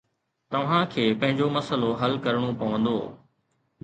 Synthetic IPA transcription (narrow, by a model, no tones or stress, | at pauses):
t̪ɐʋ̤ãkʰeːpɐ̃ɦɪ̃ɲd͡ʑomɐsəloɦɐlkɐɾɽ̃opɐʋə̃nd̪oː